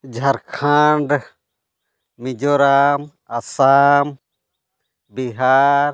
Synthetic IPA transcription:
d͡ʒʱɐɾkʰaɳɖ | mid͡ʒɔɾam | asam | biɦaɾ

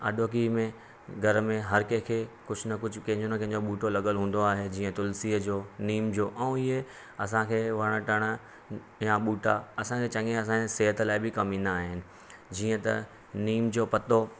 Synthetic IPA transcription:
ɐ̰ɗoːk̬imẽ | ɡʱɐɾmẽɦɐɾkekʰeːkʊd͡ʑʰʱʊnɐkʊd͡ʑʱʊkɐ̃ɦɪ̃ɲd͡ʑonɐkɐ̃ɦɪ̃ɲd͡ʑoɓuːʈolɐɠəlɦũːn̆d̪oaːɦed͡ʑiːə̃t̪ʊlsiːd͡ʑoːniːmd͡ʑoːʔɛ̃ːɪɦe | ɐs̬ãkʰeːʋɐɽ̃əʈɐɽ̃ə | jaɓuːʈaɐsãkʰeːt͡ɕɐ̃ŋẽɐs̬ãeseːɦət̪laːɪbɪkɐmĩnd̪aaːɦɪnɪ̆ | d͡ʑiːə̃t̪ɐ̰ | niːmd͡ʑoːpɐt̪o

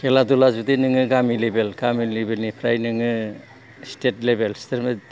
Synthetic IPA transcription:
keladulazudinɯŋɯɡamilebelɡamilebelnipʰɾajnɯŋɯ | stet̚lebelsteɾme

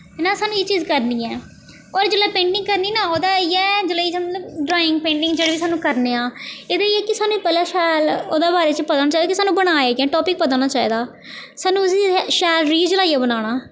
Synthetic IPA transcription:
naːsaːnũːeːt͡ʃiːzkəɾniːɛː | ɔːɾd͡ʒəlaːpẽːɳʈɪ̃ŋɡkəɾniːnãːoːd̪aːiːɛːd͡ʒəlaːiːsmbɖɾaːɪ̃ŋɡ̚pẽːɳʈɪ̃ŋɡd͡ʒeːɽeːbiːsaːnũːkəɾneːãːeːd̪aːiːɛːkɪsaːnũːpɛːlaːʃɛːloːd̪aːbaːɾeːt͡ʃpət̪aːnaːt͡ʃaːiːdaːkisaːnũːbəɽ̃aːeːɡɛ̃ːʈɔːpɪk̚pət̪ãːnaːt͡ʃaːiːd̪aː | saːnũːsiːʃɛːlɾiːd͡ʒəlaːiaːbəñaːɽ̃aː

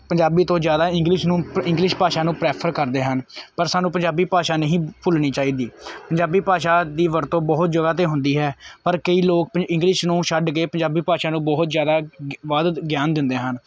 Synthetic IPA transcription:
pəɲd͡ʒaːbiːt̪õːzjaːd̪aːɪ̃ŋɡlɪʃnũːɪ̃ŋɡlɪʃpaːʃaːnũːpɾɛːpʰəɾkəɾd̪eːɦənpəɾsaːnũːpəɲd͡ʒaːbiːpaːʃaːnəɦĩːpʰʊlniːt͡ʃaːiːd̪iːpəɲd͡ʒaːbiːpaːʃaːd̪iːʋəɾt̪õːbɔɦʊt̪̚d͡ʒəɡaːt̪̬eːɦʊ̃nd̪iːɦɛːpəɾkəiːloːk̚pəɪ̃ŋɡlɪʃnũːʃəɖɡəeːpəɲd͡ʒaːbiːpaːʃaːnũːbɔɦʊt̪zjaːd̪aːʋaːd̪ɡjaːnd̪ɪnd̪eːɦən

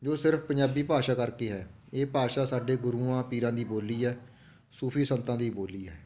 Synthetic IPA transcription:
d͡ʒoːsɪɾfpəɲd͡ʒaːbiːpaːʃaːkəɾkeːɦɛː | eːpaːʃaːsaːɖeːɡʊɾuːãːpiːɾãːd̪iːboːliːɦɛː | suːpʰiːsənt̪ãːd̪iːboːliːɛː

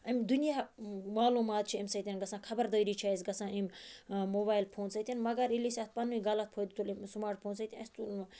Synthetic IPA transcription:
ɐmʲd̪unijaːmaːluːmaːt̪̚t͡ʃʰiɐmsɐt̪ʲinɡɐsãːkʰɐbɐɾd̪əjɾiːt͡ʃʰaːisɡɐsãːimʲmoːbaːjilpʰoːnsɐt̪ʲinmɐɡɐɾilisaːt̪̚ʰpɐnuɡɐlɐt̪̚pʰoːd̪t̪ʰulimsmaːɾʈ̚pʰoːnsɐt̪iɐst̪ulma

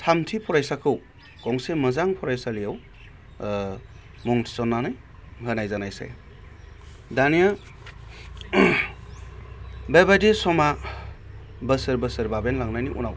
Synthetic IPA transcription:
tʰamtʰipʰɔɾajsakʰɯw | ɡ̥ɔŋsemɐzaŋpʰɔɾajsalijaw | mɔŋtʰi̥sɔnːanaj | ŋhɯnajzanajsḛ | danija | bebadisɔma | bəsɯɾbəsɯɾbabenlaŋnajniʔṵnaw

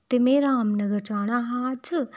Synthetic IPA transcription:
t̪emeɾaːmnəɡəɾt͡ʃaːɽ̃aɦaːt͡ʃʰɨ

